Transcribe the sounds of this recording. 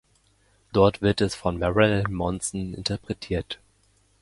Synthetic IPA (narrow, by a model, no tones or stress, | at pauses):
d̥ɔɐtv̥ɪɐtɛsfɔnmɛʁɛlmɔnsn̩ɪ̰ntʰəɐpʁ̥ɛtʰiːɐt